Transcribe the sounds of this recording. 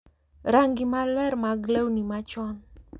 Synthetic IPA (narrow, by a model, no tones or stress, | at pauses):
ɾaŋɡimalɛɾmaɡləwnimat͡ʃɔn